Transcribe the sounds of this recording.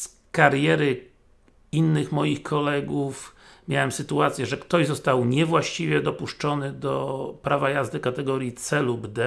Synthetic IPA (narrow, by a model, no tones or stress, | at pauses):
s | kaɾjɛɾɘ | inːɘxmɔjixkʰɔlɛɡufmʲjawɛmsɘt̪uat̪sʲjɛʐɛkt̪ɔʑzɔst̪awɲɛvwaɕt͡ɕivʲjɛd̪ɔpuʂt͡ʂɔnɘd̪ɔpɾavajazd̪ɘkat̪ɛɡɔɾjit̪sɛlubd̪ɛ